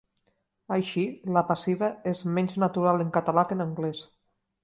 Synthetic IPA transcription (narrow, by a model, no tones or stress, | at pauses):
ajʃilapasiβaezmɛnznat̪uɾaleŋkat̪alakenaŋɡles